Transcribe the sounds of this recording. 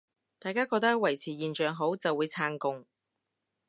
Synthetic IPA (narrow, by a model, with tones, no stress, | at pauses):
t̪aː˨jkaː˥kɔː˧k̚t̪ɐ˥k̚wɐ˨˩jt͡sʰiː˨˩jiː˨˩nt͡ʃœː˨ŋɦo˨˥wt͡sɐ˨wːuː˨˧jt͡sʰaː˧ŋkʊ˨˧ŋ